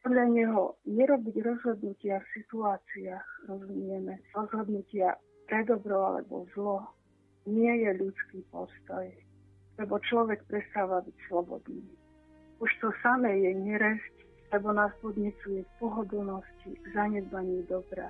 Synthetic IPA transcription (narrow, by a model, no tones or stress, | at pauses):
pɔd̪ʎaɲɛɦɔɲɛɾɔbiɟɾɔzɦɔd̪nucɪafsit̪uaːt͡siaːxɾɔzumɪɛmɛɾɔzɦɔd̪nucɪa | pɾɛd̪ɔbɾɔa̰lɛ̰bɔ̰zlɔ | ɲɪɛjɛʎut͡skiːpɔ̰st̪ɔj | lɛbɔt͡ʃlɔʋɛkpɾɛst̪aːʋabicslɔbɔ̰d̪niː | uʃt̪ɔsamɛjɛɲɛɾɛsc | lɛbɔnaːspɔd̪ɲɛt͡sujɛpɔɦɔd̪l̩nɔscizaɲɛd̪maɲid̪ɔbɾa̰